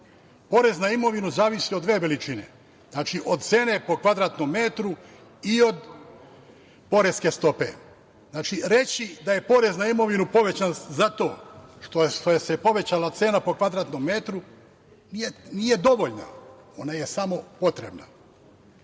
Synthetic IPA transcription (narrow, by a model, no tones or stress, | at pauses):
po̞ɾeznaimo̞ʋinuzaːʋisiod̪ʋeːʋelit͡ʃine̞̰ | znaːt͡ʃiʔo̞d̪̚t̪se̞ːne̞po̞kʋad̪ɾaːt̪no̞mːe̞t̪ɾu | io̞d̪ | po̞ɾe̞ske̞st̪o̞pe̞̰ | znaːt͡ʃiɾet͡ɕid̪aje̞po̞ɾe̞znaimo̞ʋinupo̞ʋe̞t͡ɕanzat̪o̞ːʃt̪oʃt̪ojesepo̞ʋe̞t͡ɕalat̪se̞ːnapo̞kʋad̪ɾaːt̪no̞mːe̞t̪ɾu | nienije̞d̪o̞ʋo̞ʎna̰ | o̞naje̞samo̞po̞t̪ɾe̞̰bna̰